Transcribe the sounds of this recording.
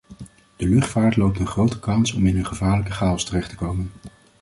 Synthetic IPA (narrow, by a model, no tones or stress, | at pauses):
d̥əlɵχtfaːɹtlowp̚təχrowtə̥kɑnsɔmɪnənχəvaːɹləkəχaːɔstərɛχtə̥kowmən